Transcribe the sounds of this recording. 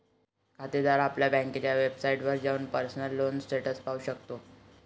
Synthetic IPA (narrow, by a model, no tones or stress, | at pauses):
kʰat̪ed̪aɾapljabə̃ŋket͡ɕjaʋebsaiʈʋəɾd͡ʑauːnpəɾsnəlːonsʈeʈəspauɕəkt̪o